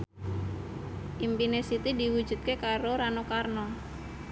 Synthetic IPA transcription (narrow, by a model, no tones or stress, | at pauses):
ʔimpinesit̪idiwu̥d͡ʒṳt̪̚kekaɾoɾanokarnɔ